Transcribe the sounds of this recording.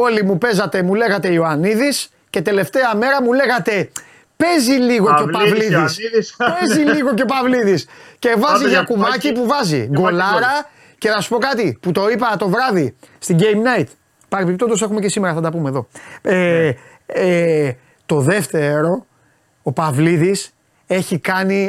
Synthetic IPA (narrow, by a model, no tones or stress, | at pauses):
o̞limupe̞zɐt̪e̞mule̞ɣɐt̪e̞ioɐniðis | ce̞t̪e̞le̞ft̪e̞ɐme̞ɾɐmule̞ɣɐt̪e̞ | pe̞ziliɣo̞epɐvliðispeziliɣo̞cepɐvliðisce̞vɐziʝɐkuvɐcipuvɐzḭɡo̞lɐɾɐ | ce̞θɐsu̥po̞kɐt̪iput̪o̞ipɐt̪o̞vɾɐðist̪iɟejmnɐjit̪ | pɐɾipipt̪ond̪o̞se̞xumece̞simeɾɐfθɐnd̪ɐpumeðo̞e | t̪o̞ðe̞ft̪e̞ɾo̞ | opɐvliðis | e̞çikɐni